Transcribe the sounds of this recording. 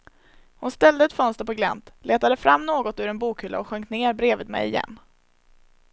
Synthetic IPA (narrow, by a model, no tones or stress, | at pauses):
hʊnst̪ɛld̪əɛt̪fœnst̪əɾpɔɡlɛ̰nt̪leːt̪ad̪əfɾʔamːnoːɡɔt̪ʉɾɛnbuːkhʏlːaɔɧœŋt̪neːɾbɾeːvɪd̪mɛ̰jɪ̰jɛ̰nː